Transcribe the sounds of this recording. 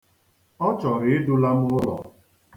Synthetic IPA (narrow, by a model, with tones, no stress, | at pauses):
ɔ˦t͡ʃɔ˨ɾɪ˨ɪ˦dʊ˦la˦m̩˦ʊ˦lɔ̰˨